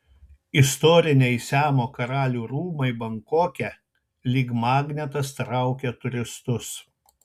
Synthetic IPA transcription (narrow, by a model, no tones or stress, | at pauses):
ɪst̪ɔːɾʲɪnʲɛɪsʲæːmoːkɐɾɑːlʲuːɾuːmɐɪbɐŋkoːkʲɛ | lʲiːkmɑːɡnʲɛt̪ɐst̪ɾɑˑʊkʲɛt̪ʊɾʲɪst̪ʊs